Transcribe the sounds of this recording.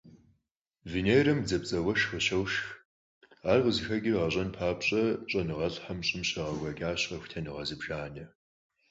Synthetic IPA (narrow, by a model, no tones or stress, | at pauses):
vinejrɐmd͡zɐpt͡sʼɐwɐʃʁəɕɐwʃx | aːrʁəzɨxɐɡʲɪrʁɐɕʼɐnpʰaːpɕʼɐɕʼɐnɨʁɐɬʼħamɕʼɪmɕɐʁɐɡʷɐɡʲʼaːɕʼɐxʷʊ̥tʰɐnɨʁɐzɨbʒ̥aːnɐ